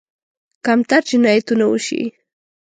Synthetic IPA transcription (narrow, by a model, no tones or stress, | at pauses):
kamt̪at͡ʃʊnajt̪ʊnaʊ̰ʃḭj